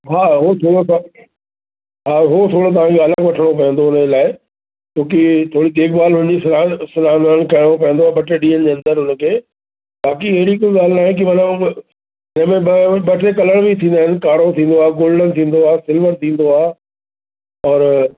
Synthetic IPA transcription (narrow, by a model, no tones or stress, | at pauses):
ɦaːɦot̪ʰoːɽo | ɦaːɦot̪ʰoːɽot̪ɐʋ̤ãkʰeɐləɡʋɐʈʰəɽ̃opɐ̃ɦə̃nd̪oʊnəd͡ʑelaːɪ | t͡ɕõːk̬it̪ʰoːɽid̪eːkbaːlɦʊnə̃ɲd͡ʑisasʊnaːnaːn̆kɐɪɽ̃op̬ɐɦə̃nd̪oaːbɐʈeɗĩːənɪ̆d͡ʑeːɐ̃nd̪əɾɦʊnəkʰeː | ɓaːkiɐɦɾik̬ʊd͡ʑɡaːl̤naːɦẽk̬iʋɐnə̃ | ɪnə̃mẽbɓɐʈʰekɐləɽ̃bʱit̪ʰĩːnd̪aːɦɪ̃nkaːɽot̪ʰĩːn̆d̪oaːɦɡoːlɖənt̪ʰĩːn̆d̪oaːsɪlʋənt̪ʰĩːn̆d̪oaː | ɔːɾ